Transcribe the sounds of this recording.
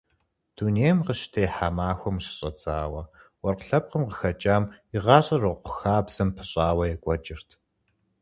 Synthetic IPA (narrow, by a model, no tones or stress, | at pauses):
d̥uneːjmqəɕtʰeːħamaːxʷɔmɕɪ̥ɕʼɐt͡sʼaːwɐwɔrqɬɐp̚qəmqə̥xɐt͡ʃʼaːmiʁɑːɕʼɐrɨqʷʊxaːbz̥ɐmpʰɨɕʼaːwɐjɛkʷʼɔt͡ʃʼɪrtʰ